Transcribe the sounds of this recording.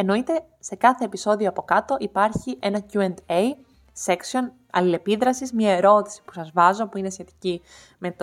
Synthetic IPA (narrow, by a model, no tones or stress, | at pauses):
e̞no̞it̪e̞ | se̞kɐθe̞ːpiso̞ðio̞ɐpo̞kɐt̪o̞ʔipɐɾçiʔe̞nɐcuend̪ej | se̞ksio̞n | ɐ̰lile̞piðɾɐsizmɲɐe̞ɾo̞t̪i̥si̥pu̥sɐzvɐzo̞puinesçe̞t̪i̥ci | me̞t̪